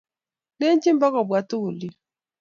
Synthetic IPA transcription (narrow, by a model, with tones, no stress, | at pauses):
ne˦n˦t͡ʃi˦m˦bɔ˦kɔ˨bwa˨tu˦u˨li˦